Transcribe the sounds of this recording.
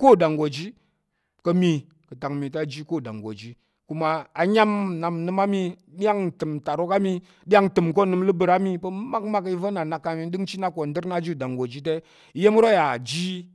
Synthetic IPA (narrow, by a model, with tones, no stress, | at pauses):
ko˦˨da˨ŋɡo˨d͡ʒi˦ | kə˧mi˧ | kə˨ta˨ŋmi˨ta˦˨d͡ʒi˦ko˦˨da̰˨ŋɡo̰˨d͡ʒi˦ | ku˦ma˨a˨ɲa˦mna˨mnɨ˧ma˦mi˧ | ɗi˦ja˦ŋtɨ˨mta˨ɾo˦ka˦mi˧ | ɗi˦ja˦ŋtɨ˨mko˦˨nɨ˧mlɨ˦bɨ˨ɾa˦mi˦pə˦ma˦kma˦k̬i˦və˦na˨na˨kːa˨mi˦ɗɨ˦ŋt͡ʃi˦na˦ko˨ndɨ˦ɾna˦d͡ʒi˦˨da˨ŋɡo˨d͡ʒi˦t̬e˦˨˦ | je˦m˦ɾo˦ja˨d͡ʒi˦